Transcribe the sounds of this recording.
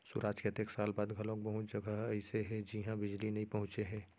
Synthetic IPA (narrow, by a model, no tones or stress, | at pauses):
sʊ̰ɾʔaːd͡ʒkɐt̪eksaːlbaːd̪ɡʱɐlõk̚bɐɦʊ̃t͡ʃd͡ʒɐɡʱəɦɐɪseɦɛd͡ʒiɦãbɪd͡ʒlinɐĩpɐɦʊ̃t͡ʃeɦɛ̃ː